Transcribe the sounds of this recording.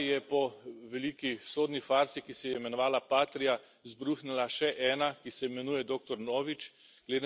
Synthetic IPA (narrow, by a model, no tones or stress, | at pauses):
jɛpɔʋɛliːkisoːd̪nifaːɾzikisɛjɛimɛnɔʋaːlapaːt̪ɾija | zbɾuxnɛlaʃɛʔɛːnakisɛimɛnuːjɛd̪oːk̚t̪ɔɾnoːʋit͡ʃ | ɡ̥led̪e